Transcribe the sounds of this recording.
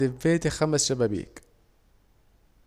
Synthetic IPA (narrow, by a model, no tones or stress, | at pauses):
ɪveːt̪ixæmæsʃæbæbḭːk